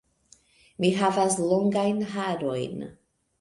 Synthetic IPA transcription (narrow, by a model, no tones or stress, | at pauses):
miɦavasloŋɡajnɦaɾo̞jn